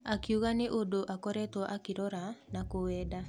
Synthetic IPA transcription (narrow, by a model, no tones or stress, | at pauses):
akiuɣaneʔodoʔakɔɾɛtwaʔakeɾɔɾanakowɛːda